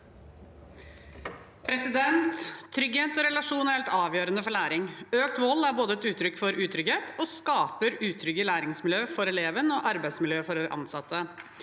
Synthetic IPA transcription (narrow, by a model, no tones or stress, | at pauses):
pʰɾɛsɪd̪ɛnt̪ʰːɾʏɡheːt̪ɔɾɛlɑʂuːnæɾheɛlt̪ɑːʋjøːɾənəfɔɭæːɾɪŋøːk̚t̪ʋɔlːæɾboːd̪əɛt̪ʉːt̪ʰɾʏkːfɔɾʔʉːt̪ʰɾʏɡheːt̪ʰɔskɑːpəɾʉːt̪ʰɾʏɡəlæːɾɪŋsmɪljøːfɔɾɛleːʋənɔʔɑɾbæɪd̪smɪljøːfɔɾʔɑ̰nsɑt̪ːə